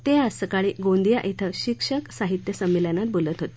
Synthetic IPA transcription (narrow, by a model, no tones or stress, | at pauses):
t̪eəsəkaɭiːɡõnd̪ijaʔit̪ʰəɕikʂəksaɦit̪jəsəmiljanat̪̚bolət̪ɦot̪e